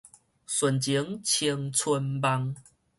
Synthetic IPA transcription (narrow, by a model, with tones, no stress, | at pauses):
swə˨˩nt͡ɕi˨˦ŋt͡ɕʰi˧ŋt͡sʰə˧npa˦ŋ